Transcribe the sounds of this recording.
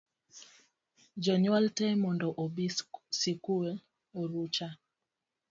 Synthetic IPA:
d͡ʒɔɲwaltɛmɔndɔʔobisikue | oɾut͡ʃa

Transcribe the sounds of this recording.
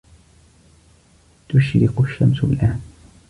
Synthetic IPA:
t̪ʊʃɾɪqʊʃːamsʊbɪlʔaːn

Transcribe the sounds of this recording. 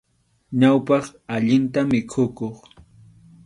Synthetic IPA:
ɲawpɑχaʎɪnt̪amɪkʰʊkoχ

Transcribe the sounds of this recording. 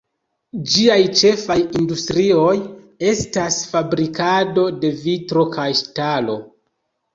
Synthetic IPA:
d͡ʒiajt͡ʃe̞fajindustɾio̞j | e̞stasfabɾikado̞de̞vitɾo̞kʰajʃtalo̞̰

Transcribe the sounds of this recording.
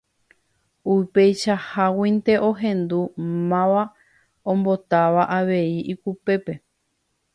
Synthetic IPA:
upe̞jʃahawĩnt̪e̞ʔo̞ɦẽ̞nd̪umãʋa | õmbo̞t̪aʋaʔaʋe̞iʔikupe̞pe̞

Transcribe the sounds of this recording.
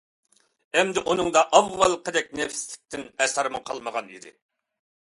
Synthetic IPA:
ɛmd̪ɪʔunɨŋd̪ɑʔɑvːɑlˠqəd̪ɛk̚ʲnɛfslɪk̚ʲt̪ʰɪnɛsɑɾmɨqʰɑlˠməʁɑnḭd̪ɪ̰

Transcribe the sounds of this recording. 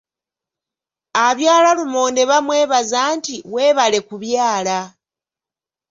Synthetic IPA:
aβjaːlalumoːnde̞βamwe̞ːβazaːntiwe̞ːβale̞kuβjaːla

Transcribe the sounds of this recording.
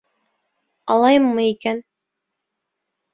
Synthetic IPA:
ɑlˠɑjɤmːɤikæn

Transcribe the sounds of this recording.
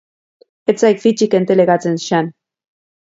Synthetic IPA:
et͡sajkfit͡ʃike̞nt̪eleɣat͡senʃan

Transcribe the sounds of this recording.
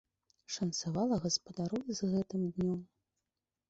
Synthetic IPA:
ʂɐnt̪savalˠɐɣɐspɐd̪aɾɔzɣɛt̪ɨmd̪nʲɔm

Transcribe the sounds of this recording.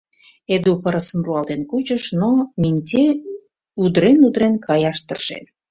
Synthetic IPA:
ed̪upəɾəsəmruɑlt̪enkut͡ɕəʃnominʲt̪ʲe | ud̪ɾenud̪ɾenkʰɑjɑʃt̪ə̰rʒ̥ḛn

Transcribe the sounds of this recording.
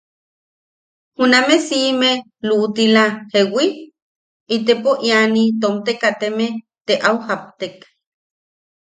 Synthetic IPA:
hunamesime | luʔt̪ilahewi | it̪̬epoʔjanit̪̬omt̪ekat̪eme | t̪eʔawhap̚t̪ek

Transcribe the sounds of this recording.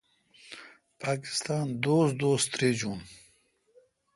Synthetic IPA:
pɑːkɪ̥st̪ɑːnd̪oːsd̪oːst̪ɾeːd͡ʒuːn

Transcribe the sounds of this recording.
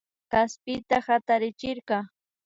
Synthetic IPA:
kaspɪt̪ahat̪aɾɪt͡ʃɪɾqɑ

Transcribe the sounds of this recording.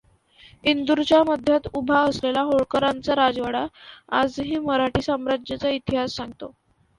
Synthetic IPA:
ind̪uɾt͡ɕjaməd̪ʱjat̪ubʱaəslelaɦoɭkəɾant͡saɾad͡zʋəɽaad͡zɦiːməɾaʈiːsəmɾad͡ʑjət͡sait̪iɦasːãŋɡt̪o

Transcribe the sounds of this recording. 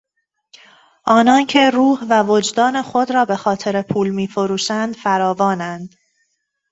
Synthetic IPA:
ʔɒːnɒːncʰe̞ɾuːhvævod͡ʒd̪ɒːne̞xo̞d̪ɾɒːbe̞xɒːt̪ʰe̞ɾe̞pʰuːlmiːfoɾuːʃænd̪̥fæɾɒːvɒːnænd̪̥

